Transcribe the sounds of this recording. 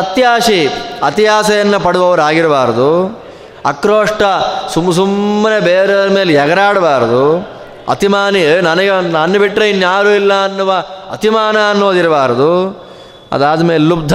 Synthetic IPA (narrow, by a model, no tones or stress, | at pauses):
ɐt̪jaːʂiɐt̪iɦaːsɐjɐnːɐpɐɽuʋɐʋɐɾaːɡiɾɐbaːɾɐd̪u | ɐ̰kɾoːʂʈɐsumɐs̬umːɐnebeːɾemeːljɐɡɐɾaːɽɐbaːɾɐd̪u | ɐ̰t̪imaːninɐnɐɡenɐnːɐbiʈːɾɐinːjaːɾuːilːɐɐnːuʋɐɐ̰t̪imaːnɐɐnːoːd̪iɾɐbaːɾɐd̪u | ɐ̰d̪aːd̪ɐmeːlelubd̪ʱ